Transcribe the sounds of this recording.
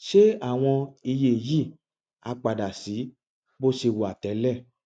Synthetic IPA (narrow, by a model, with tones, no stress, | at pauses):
ʃe˦a˦˨w̃ɔ̃˧i˧je˦˨ji˦˨ | a˧k͡pa˨da˨si˨˦ | bo˦ʃe˧wo˨a˨tɛ˨˦lɛ˦˨